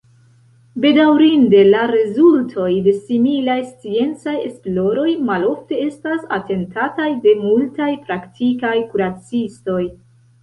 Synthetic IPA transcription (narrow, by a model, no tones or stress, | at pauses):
be̞dawɾinde̞laɾezultʰo̞jde̞similajst͡sie̞nt͡saje̞̰splo̞ɾo̞jmalo̞fte̞e̞stasa̰te̞ntatajde̞multajpɾaktʰikajkuɾat͡sisto̞j